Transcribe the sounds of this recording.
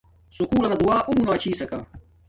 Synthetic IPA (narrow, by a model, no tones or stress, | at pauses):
sʊkuːlɐnɐd̪ʊwaːʔʊmunaːt͡ɕiːsɐka̰